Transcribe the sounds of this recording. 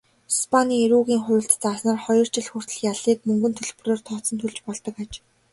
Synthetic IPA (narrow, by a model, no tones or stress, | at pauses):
spʰaniːeɾuːɣiːŋχʊːɬt̪t͡saːsnaːrχɔjɞ̆r̥t͡ɕɪ̆ɮxur̥t̪ɵ̆ɮxjaɮiːk̚mɵŋɡɵ̆nt̪ʰɵɮpɵ̆roːrt̪ʰɔt̪sɞ̆nt̪ʰɵɮt͡ɕpɔɮt̪ɞ̆kat͡ɕ